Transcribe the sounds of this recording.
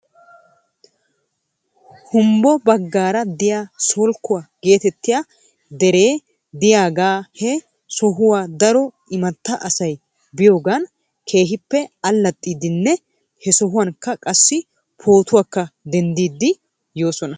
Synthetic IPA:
hʊmbɔbɐɡːaːɾɐd̪ɪjaːsɔlkːʊwaɡ̥e̞ːt̪ɛt̪ːɪjaː | d̪ɛɾe̞ː | d̪ɪjaːɡaːhɛ | sɔɦʊwaːd̪ɐɾɔ | ɪmɐt̪ːɐʔɐsɐj | bɪjo̞ːɡan | kʰe̞ːɦɪpːɛɐlːɐt̪ʼːiːd̪ɪnːɛ | hɛsɔɦʊwɐnkːɐkʼɐsːɪ | pʰo̞ːt̪ʊwaːkːɐd̪ɛnd̪iːd̪ːɪ | jo̞ːsɔnɐ

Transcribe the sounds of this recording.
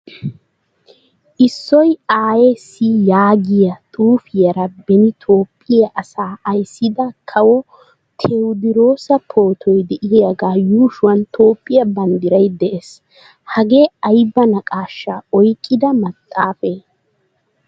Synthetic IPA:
ʔɪsːɔjaːjesijaːɡɪjɐt̪ʼuːfɪjɐɾɐbɛnɪt̪ʰo̞ːpʼːɪjɐʔɐsaːɐjsːɪd̪ɐkʰɐwɔ | t̪ʰɛwd̪ɪɾo̞ːsɐpʰo̞ːt̪ʰɔjd̪ɛʔɪjjɐɡaːjuːʃʊwɐnt̪ʰo̞ːpʼːɪjɐbɐnd̪ɪɾɐjd̪ɛʔes | hɐɡeːɐjbːɐnɐkʼaːʃːaɔjkʼːɪd̪ɐmɐt̪ʼːaːfe

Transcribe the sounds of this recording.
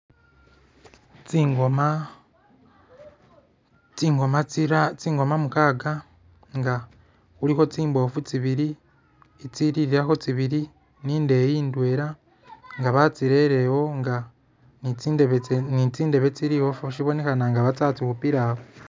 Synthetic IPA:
t͡siŋɡoma | t͡siːŋɡomaɾat͡siːŋɡo̞mamukaːɡa | ŋɡa | uɾiko̞t͡siːmbo̞fut͡siβiɾi | et͡siɾiɾiɾako̞t͡siβiɾi | niːnde̞jiːndwe̞ːɾa | ŋɡaβat͡siɾeɾewo̞ŋɡa | nieβenit͡siːnde̞βet͡siɾiho̞foʃiβo̞ne̞kanaŋɡaβat͡saːt͡sikupiɾaho

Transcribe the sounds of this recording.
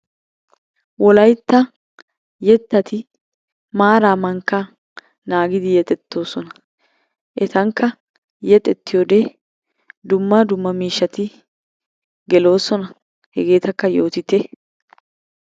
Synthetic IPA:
wɔlɐjt̪ːɐ | jɛt̪ːɐt̪ɪ | maːɾaːmɐŋkːɐ | naːɡɪd̪ɪjɛt̪ʼɛt̪ːo̞ːsɔnɐ̥ | ʔɛt̪ɐŋkːɐ | jɛt̪ʼɛt̪ːɪjod̪e | d̪ʊmːɐd̪ʊmːɐmiːʃːɐt̪ɪ | ɡɛlo̞ːsɔnɐ | hɛɡe̞ːt̪ɐkːɐjo̞ːt̪ɪt̪ɛ

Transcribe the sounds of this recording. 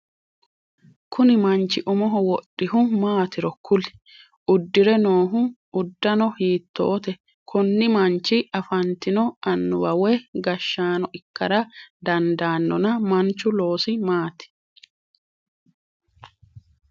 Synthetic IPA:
kʰʊnɪmɐnt͡ʃːɪʔʊmɔɦɔwɔɗːɪhʊmaːt̪ɪɾɔkʰːʊlɪ̥ | ʔʊd̪ːɪɾɛnoːɦʊ | ʊd̪ːɐnɔhiːt̪ːo̰ːt̪ɛ | kʰʊnːɪmɐnt͡ʃːɪɐfɐnt̪ɪnɔɐnːʊwɐwɛɡɐʃːaːnɔɪkːɐɾɐd̪ɐnd̪aːnːɔnɐmɐnt͡ʃːʊlo̞ːsɪmaːt̪ɪ̥

